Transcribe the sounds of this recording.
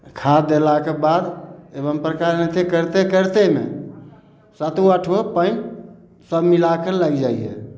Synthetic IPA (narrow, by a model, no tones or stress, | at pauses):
kʰad̪elakebad̪ebəmpɾəkaɾnɛt̪ʰekəɾt̪ekəɾt̪emḛ | sat̪uəʈʰʋepə̃n | səbmilakəlaɡd͡ʒaiɛ̰